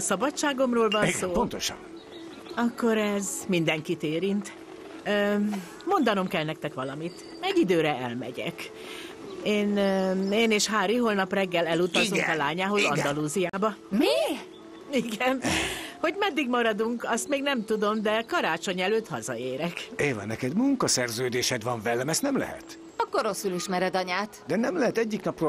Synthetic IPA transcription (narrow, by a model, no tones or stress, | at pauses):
sɒbɒt͡ʃt͡ʃːaːɡo̞mroːlvɒnssoːpont̪oʃɒ̰n | ɒkːo̞ɾɛzmind̪ɛŋkit̪eːɾint̪ | ø | mo̞nd̪ɒno̞mkɛlnɛk̚t̪ɛkʋɒlɒmit̪ | ɛɟid̪øːɾɛɛ̰lmɛ̰ɟɛ̰k | eːneːneːʃɦaːɾiɦoːlnɒprɛɡːɛlɛlut̪ɒoŋkɒlaːɲaːɦo̞zɒ̰nd̪ɒluːzijaːbɒmiː | iɡɛnho̞ɟmɛd̪ːiɡmɒɾɒd̪uŋkɒst̪meːɡnɛmt̪ud̪o̞md̪ɛkɒɾaːt͡ʃo̞ɲɛløːt̪hɒzɒ̰eːɾɛkeːvɛ̰nːɛkɛd̪muŋkɒsɛrzøːd̪eːʃɛd̪ʋɒɱvɛlːɛmɛst̪nɛmlɛ̰hɛ̰t̪ | ɒɡoɾo̞suliʃmɛɾɛd̪ɒɲaːt̪d̪ɛnɛmlɛɦɛt̪ɛɟːiknɒpro